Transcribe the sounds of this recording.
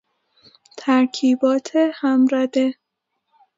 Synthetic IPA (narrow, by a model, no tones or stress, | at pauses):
t̪ʰæɾkʰiːbɒːt̪ʰehæmɾæd̪e